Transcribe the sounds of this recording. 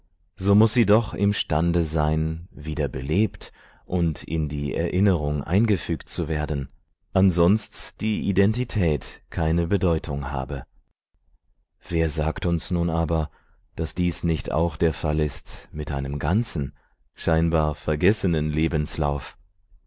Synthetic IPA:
z̥oːmʊsz̥iːdɔχɪ̰mʃtandəzaɪnviːdɐbəleːpt | ʔʊntɪ̰ndiːʔɛ̰ɐʔɪnəʁʊŋʔa̰ɪnɡəfyːktt͡suveːɐdn̩ | ʔanzɔnstd̥iːʔidɛntitʰɛːtkʰaɪnəbədɔʏtʰʊŋha̰ːbə | v̥eːɐzaːktʊnsnuːnaːbɐ | d̥asd̥iːsnɪçta̰ʊxd̥eːɐfalɪstmɪtʔaɪnəmɡant͡sn̩ | ʃaɪnbaːɐfɛɐɡɛsənənleːbn̩sla̰ʊf

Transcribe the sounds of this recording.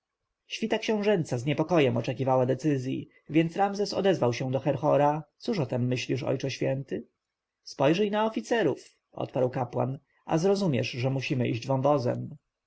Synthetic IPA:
ɕfʲit̪akɕɛ̃w̃ʐɛnt̪sazɲɛpɔkɔjɛmɔt͡ʂɛkʲivawad̪ɛt̪sɘzʲjḭ | vʲjɛnt̪sɾamzɛsɔ̰d̪ɛzvawɕɛ̃d̪ɔxɛɾxɔɾat̪suʂɔt̪ɛmːɘɕlʲiʂɔ̰jt͡ʂɛɕfʲjɛnt̪ɘ | spɔjʐɛjnaɔfʲit̪sɛɾuf | ʔɔ̰t̪paɾwkapwa̰n | ʔa̰zɾɔzumʲjɛ̰ʂʐɛmuɕimɘʔḭʑd͡ʑvɔ̃w̃vɔzɛ̰m

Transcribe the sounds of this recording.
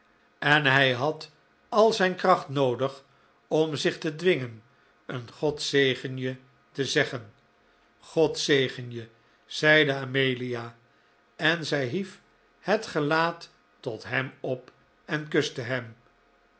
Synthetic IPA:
ɛnɦɛjɦɑt | ɑlˠzɛjnkrɑχtnowdəχ | ɔmzɪχtədʋɪŋən | ənχɔtsejχənjə | təzɛχən | χɔtsejχənjə | z̥ɛjdəamejliaː | ɛnzɛjɦif | hətχəlaːtː | ɔtɦɛmɔp | ɛnkɵstəɦɛm

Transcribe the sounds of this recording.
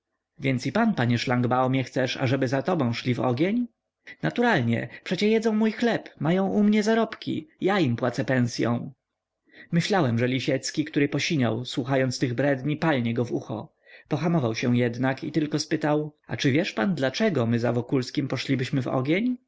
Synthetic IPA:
vʲjɛnt̪sipanpaɲɛʂlaŋɡbawɔmʲjɛxt̪sɛʂa̰ʐɛbɘzat̪ɔbɔ̃w̃ʂlʲivɔ̰ɡʲjeɲ | nat̪uɾalɲɛ̰pʂɛt͡ɕɛjɛd̪zɔ̃w̃mujxlɛpmajɔ̃w̃ʔumɲɛzaɾɔpkʲḭjaimpwat̪sɛpɛ̃w̃sʲjɔ̰̃w̃ | mɘɕlawɛmʐɛlʲiɕɛt̪skʲikt̪uɾɘpɔɕiɲa̰wswuxajɔnt̪st̪ɘɣbɾɛd̪ɲipalɲɛɡɔvṵxɔ̰ | pɔxamɔvawɕɛjɛd̪nakḭt̪ɘlkɔspɘt̪awa̰t͡ʂɘvʲjɛʂpand̪lat͡ʂɛɡɔmɘzavɔkulskʲimpɔʂlʲibɘɕmɘvɔ̰ɡʲjeɲ

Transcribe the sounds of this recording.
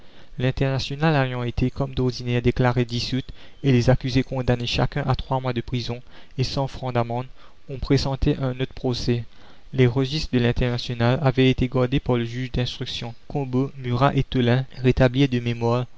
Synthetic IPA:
lɛ̃t̪ɛʁnasjɔnalajɑ̃et̪ʰekɔmd̪ɔʁd̪inɛʁd̪eklaʁed̪isyt̪ | elezakʲyzekɔ̃d̪aneʃa̰kɛ̃ʔat̪χwamwad̪əpχizɔ̃ | esɑ̃fχɑ̃d̪amɑ̃d̪ | ɔ̃pχezɑ̃t̪eʔɛ̃not̪χəpχosɛ | leʁəʒist̪χəd̪əlɛ̃t̪ɛʁnasjɔnalavɛet̪eɡɔʁd̪epaʁləʒyʒd̪ɛ̃st̪χyksjɔ̃kɔ̃bomyʁaʔet̪olɛ̃ʁet̪ablid̪əmemwaʁ

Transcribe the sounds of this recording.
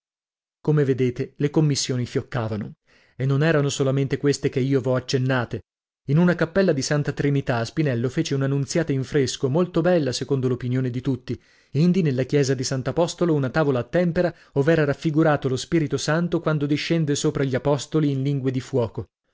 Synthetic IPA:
komeved̪eːt̪elekomːisːjoːnifjokːaːvano | enːonɛːɾanosolament̪ekwest̪ekeiːovɔat͡ʃːenːaːt̪e | inunakapːɛlːad̪isant̪at̪ɾinit̪aspinɛlːofeːt͡ʃeunanːunt̪sjaːt̪aiɱfɾeskomolt̪obɛlːasekond̪olopinjoːned̪it̪ut̪ːi | ind̪inelːakjɛːzad̪isant̪oapɔst̪olounat̪aːvolaːt̪ːɛmpeɾa | ovɛːɾaɾafːiɡuɾaːt̪olospiɾit̪osant̪okwand̪od̪iʃːɛnd̪esoːpɾaʎːiapɔst̪oliːnliŋɡwed̪ifwɔːko

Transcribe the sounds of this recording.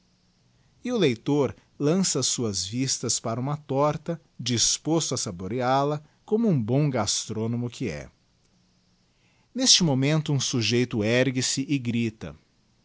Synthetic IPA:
ɪʊlejt̪oɾ | lɐ̃sɐːsuɐzvist̪ɐspaɾɐũmɐt̪ɔɾt̪ɐ | d͡ʒispost̪ʊasaboɾialɐ | kõmʊũbõw̃ɡast̪ɾonõmʊkʰɪɛ̰ | nest͡ʃɪmomẽnt̪ʊũsuʒejt̪ʊɛɾɡɪsɪʔɪɡɾit̪ɐ̰

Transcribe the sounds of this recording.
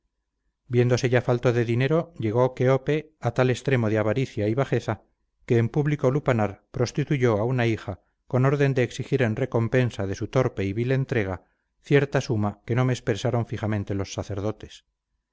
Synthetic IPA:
bje̞nd̪o̞se̞ʝafalt̪oðe̞ðine̞ɾo̞ʎe̞ɣ̞o̞keope̞at̪ale̞st̪ɾe̞mo̞ð̞eaβaɾiθjaiβaxe̞θa | ke̞ːmpuβliko̞lupanaɾpɾo̞st̪it̪uʝo̞aunaixa | ko̞no̞ɾðe̞nd̪eːksixiɾe̞nre̞ko̞mpe̞nsað̞e̞sut̪o̞ɾpe̞iβile̞nt̪ɾe̞ɣ̞a | θje̞ɾt̪asumake̞no̞meːspeɾsaɾo̞ɱfixamẽnt̪e̞lo̞sːaθe̞ɾð̞o̞t̪e̞̥s

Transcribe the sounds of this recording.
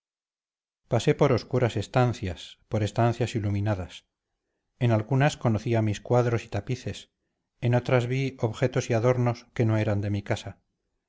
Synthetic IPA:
pase̞po̞ɾo̞skuɾase̞st̪an̟θjaspo̞ɾe̞st̪an̟θjasiluminaðas | e̞nalɣunasko̞noθiamiskwaðɾo̞si̥t̪apiθe̞s | eno̞t̪ɾazβio̞βχe̞t̪o̞siaðo̞ɾno̞ske̞noe̞ɾand̪e̞mikasa

